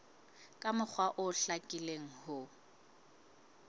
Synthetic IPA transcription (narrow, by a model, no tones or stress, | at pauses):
kʼamʊk͡xʰwaʔʊɬakʼileŋ̩hʊ